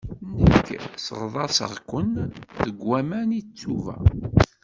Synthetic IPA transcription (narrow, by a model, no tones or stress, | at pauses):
nəkːsə̰ʁðˤɑsə̰ʁkʷːənðəɡwæmænit͡sːuvæ̰